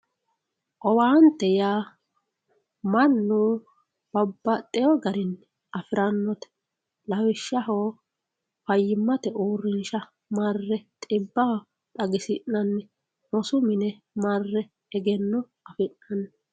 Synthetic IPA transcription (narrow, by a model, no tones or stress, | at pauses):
ʔɔwaːnt̪ːɛjaː | mɐnːu | b̥ɐbːɐt̪ʼːɛjɔɡɐɾɪnː | ɐfɪɾɐnːɔt̪ɛ̥ | lɐwɪʃːɐɦo | fɐjːɪmːɐt̪ɛʔuːrːɪnʃɐ | marːɛt̪ʼɪbːɐh | t̪ʼɐɡɪsɪʔɐnːɛ | mɔsʊmɪnɛ | marːɛ | ɛɡɛnːɔ | ɐfɪnːɐnː